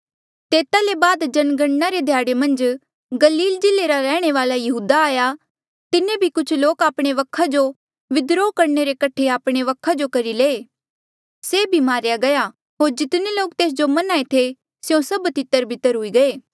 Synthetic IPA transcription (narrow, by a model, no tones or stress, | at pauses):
t̪eːt̪alebaːd̪d͡ʒɐnɡəɳnaɾed̪ʱjaːɽemɐ̃nd͡ʒ | ɡɐliːld͡ʒɪleɾaɾɛːɽ̃eʋaːlajɐɦuːd̪aaːja | t̪ɪnẽbʱikʊt͡ʃʰloːkaːpɽ̃eʋɐkʰːad͡ʒo | ʋɪd̪ɾokɐɾneɾekɐʈʰeaːpɽ̃eʋɐkʰːad͡ʒokɐɾileː | seːbʱimaːɾjaɡɐja | ɦoːɾd͡ʒɪt̪neloːk̚t̪eːs̬d͡ʒomɐnaːet̪ʰe | sjõsɐbt̪ɪt̪ːəɾbʱɪt̪ːəɾɦʊiɡɐeː